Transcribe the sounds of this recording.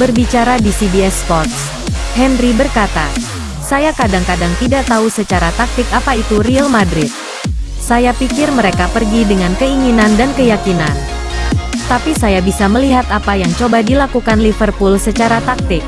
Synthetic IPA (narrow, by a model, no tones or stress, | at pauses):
bərbit͡ʃaɾadisibiɛspɔrt̪s | hɛnribərkat̪a̰ | sajakadaŋkadaŋt̪idaʔt̪ausət͡ʃaɾat̪ak̚t̪ɪkapait̪urialmadɾɪt̪̚ | sajapikɪrməɾekapərɡidəŋankəiŋinandankəjakinan | t̪apisajabisaməliɦat̪apajaŋt͡ʃobadilakukanlifərpulsət͡ʃaɾat̪ak̚t̪ɪk̚